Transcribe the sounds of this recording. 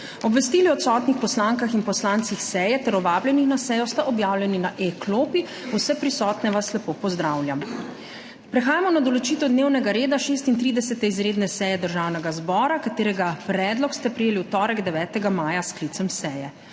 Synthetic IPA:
ɔbʋɛst̪iːliɔt̪sɔːt̪nixpɔslaŋkaxinpɔslaːnt̪sixsɛːjɛt̪ɛɾɔʋaːbljɛnixnasɛːjɔst̪aʔɔbjaːwlʲjɛninaʔekloːpi | usɛpɾisɔːt̪nɛʋaslɛpoːpɔzd̪ɾaːwlʲjam | pɾɛxaːjamɔnad̪ɔlɔt͡ʃiːt̪ɔd̪neːwnɛɡaɾeːd̪aʃeːst̪int̪ɾiːd̪ɛsɛt̪ɛizɾeːd̪nɛsɛjɛd̪əɾʒaːwnɛɡazbɔːɾakat̪eːɾɛɡapɾɛːd̪lɔkst̪ɛpɾijeːliwt̪ɔːɾɛɡd̪ɛʋɛːt̪ɛɡamaːjasklit̪sɛmsɛːjɛ

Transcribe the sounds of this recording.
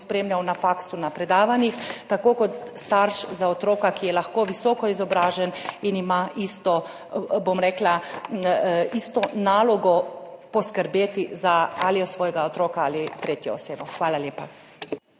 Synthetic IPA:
spɾeːmlʲjawnafaksunapɾɛd̪aːʋanixt̪akoːkɔt̪st̪aɾʃzaot̪ɾoːkakijɛlaxkoːʋisɔːkɔizɔbɾaːʒɛninimaʔist̪ɔ | bomɾɛːkla | ist̪ɔnaːlɔɡɔpɔskəɾbeːt̪izaaliɔsʋɔːjɛɡaot̪ɾoːkaaːlit̪ɾeːt̪jɛoseːbɔxʋaːlaljeːpa

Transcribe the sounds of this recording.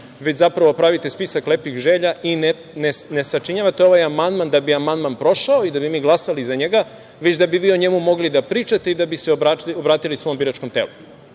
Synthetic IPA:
ʋet͡ɕzapɾaʋo̞pɾaʋit̪espisaklepixʒeːʎaʔine | nenesat͡ʃiɲaʋat̪eo̞ʋajamand̪mand̪abiamand̪manpɾo̞ʃaoid̪abimiːɡlˠasalizaɲeɡa | ʋet͡ɕd̪abiʋiːo̞ɲemumo̞ɡlid̪apɾiːt͡ʃat̪e̞id̪abiseobaobɾaːt̪ilisʋo̞mbiɾat͡ʃko̞mt̪ḛlu

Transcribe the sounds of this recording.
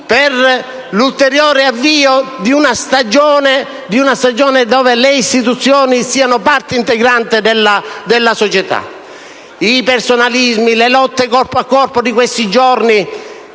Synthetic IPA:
per | lult̪eɾjɔːɾeavːiːod̪iunast̪ad͡ʒɔːne | d̪iunast̪ad͡ʒɔːned̪ɔːveleist̪it̪ut̪sːjɔːnisiːanʊpart̪eint̪eɡɾant̪ɪd̪elːad̪elːasɔt͡ʃet̪a̰ | ipersonalizmilelɔt̪ːekɔrpoakːɔrpod̪ikwest̪id͡ʒɔrni

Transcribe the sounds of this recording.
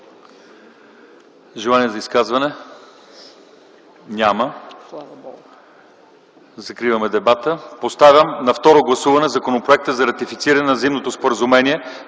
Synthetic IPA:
ʒɛlˠaniɛzɐiskazvɐnɛ | nʲamə | zɐkɾivəmɛd̪ɛbat̪əpost̪avʲəmnɐft̪ɔɾoɡlˠɐsuvɐnɛzɐkonopɾoɛk̚t̪əzɐɾɐt̪ifit̪siɾɐnɛnɐzimnot̪ospoɾəzumɛniɛ

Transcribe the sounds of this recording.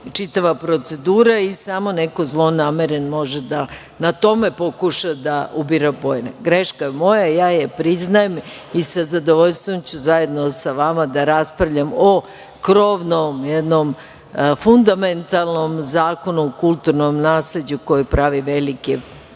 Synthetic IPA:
t͡ʂit̪aʋapɾot̪se̞d̪uːɾaisamonekozlˠo̞nameɾenmo̞ʒed̪a | nat̪o̞me̞po̞kuʃad̪aubiɾapojnaɡɾeʃkaemo̞jajaːjepɾiznajem | isazad̪oʋoʎst̪ʋomt͡ɕuzaje̞d̪nosaʋamad̪aɾaspɾaʋʎamo | kɾoːʋnomjed̪nom | fund̪ament̪alˠno̞mzaːko̞nuːkulˠt̪uɾnomnaːsled͡ʑuko̞jipɾaʋiʋeliki

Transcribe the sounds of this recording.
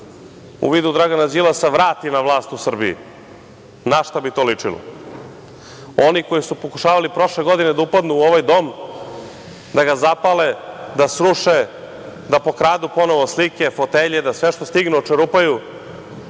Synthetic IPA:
ṵʋiːd̪ud̪ɾaɡanad͡ʑilaseʋɾaːt̪inaʋlˠaːst̪usr̩biḭ | naʃt̪abit̪o̞ːlit͡ʂilo̰ | o̞niko̞jisupo̞kuʃaːʋalipɾo̞ʃle̞ɡo̞d̪ine̞d̪aupad̪nuːoʋajd̪o̞m | d̪aɡazapaled̪asɾuʃe | d̪apo̞kɾaːd̪upo̞no̞ʋoslike̞fo̞t̪eʎed̪asʋe̞ʃt̪ost̪iɡnuot͡ʃeɾupaju

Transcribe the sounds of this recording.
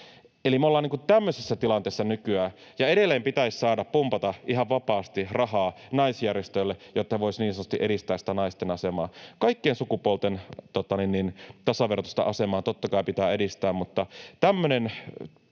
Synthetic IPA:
elimeolːɑːniŋkut̪æmːøsesːæt̪ilɑnt̪eːsːɑnykyæː | jɑeɾelːeːmpit̪æisʲsɑːdɑppumpɑt̪ɑʔiɦɑʋʋɑpɑːst̪irɑhɑːnɑisjærjest̪ølːejot̪ːɑheʋoisniːnsɑnːt̪ŏ̥st̪iʔeɾist̪æːsi̥t̪ænɑist̪enɑsemɑːkɑikːiensukupolt̪ent̪ot̪ːˑɑninnint̪ɑsɑʋert̪o̥st̪ɑ̰ʔɑsemɑːt̪ot̪ːɑkɑipit̪æːedist̪æːmmut̪ːɑt̪æmːønen

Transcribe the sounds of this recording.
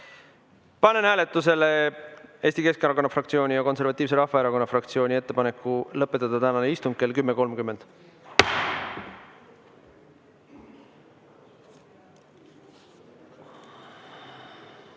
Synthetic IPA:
pɑne̞næːle̞t̪ːˑus̬e̞lee̞ːst̪ike̞skɑɾɑko̞nːɑfrɑk̚t̪sio̞ːnʲijɑko̞ns̬e̞ɾvɑt̪ʲːˑiːvse̞ɾɑhfɑeɾɑko̞nːɑfrɑkt̪sio̞ːnʲie̞t̪ːe̞pɑne̞kːˑulɤpːˑet̪ˑːɑd̪̥ɑt̪ænɑneist̪uŋɡkke̞lkymːeko̞lmkymːe̞nd̪̥

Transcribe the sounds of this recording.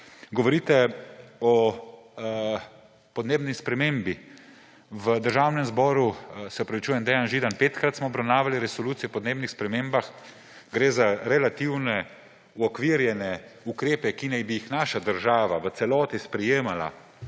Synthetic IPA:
ɡɔʋɔɾiːt̪ɛɔ | pɔd̪neːbnispɾɛmembi | ʋəd̪əɾʒaːwnɛmzbɔːɾusɛɔpɾaʋit͡ʃuːjɛnd̪ɛjanʒiːd̪anpeːt̪kɾat̪smɔːbɾawnaːʋaliɾɛsɔluːt̪sijɔpɔd̪neːbnixspɾɛmeːmbax | ɡɾeːzaɾɛlat̪iwnɛ | ɔkʋiɾjɛnɛukɾeːpɛkinajbijixnaʃad̪əɾʒaːʋaʋət̪sɛlɔːt̪ispɾɛjeːmala̰

